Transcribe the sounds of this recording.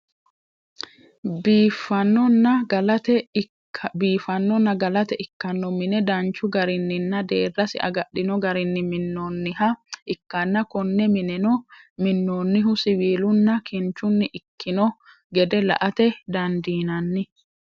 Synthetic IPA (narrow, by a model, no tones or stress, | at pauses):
bfɐnːɔnːɐɡɐlɐt̪ɛ | biːfɐnːɔnːɐɡɐlɐt̪ɛʔɪkːɐnːɔmɪnɛd̪ɐnt͡ʃːʊɡɐɾɪnːɪnːɐd̪eːrːɐsɪ̰ʔɐ̰ɡɐɗːɪnɔɡɐɾɪnːɪmɪnːoːnːɪɦɐʔɪkːɐnːɐkɔnːɛmɪnɛnɔ | mɪnːoːnːɪɦʊsɪwiːlʊnːɐkʰɪnt͡ʃːʊnːɪʔɪkːɪnɔ | ɡɛd̪ɛlɐ̰ʔɐt̪ɛd̪ɐnd̪iːnɐnːɪ